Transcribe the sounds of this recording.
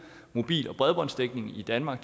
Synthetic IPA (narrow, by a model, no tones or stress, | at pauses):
mo̝b̥ḭːlɒ̽b̥ʁɛðˠb̥ɒ̽nsd̥eɡ̥ne̝ŋid̥ænmɑ̈ɡ̥̚d̥